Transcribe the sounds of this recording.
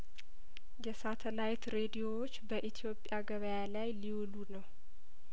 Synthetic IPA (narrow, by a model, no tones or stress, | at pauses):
jɛsat̪ʰəlajt̪ɾe̞d̪ijo̞wot͡ʃːbəʔit̪ʰijo̞pʼjaɡəβəjalajliwulunəw